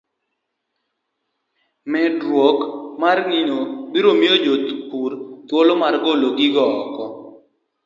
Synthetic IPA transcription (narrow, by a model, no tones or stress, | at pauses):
mɛdɾwokmarŋinobiɾomiod͡ʒot̪purt̪wolomarɡoloɡɪɡɔːkɔ